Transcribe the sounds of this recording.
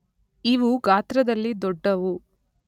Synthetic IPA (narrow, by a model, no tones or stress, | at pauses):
iʋuɡaːt̪ɾɐd̪ɐlːid̪ɔɖːɐʋu